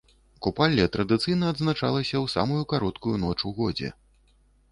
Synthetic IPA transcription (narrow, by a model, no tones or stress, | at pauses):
kupalʲːɛt̪ɾɐd̪ɨt̪sɨjnɐɐd̪znat͡ʂa̰lˠɐsʲɐwsa̰mujukaɾɔt̪kujunɔt͡ʂuɣɔd͡zʲɛ̰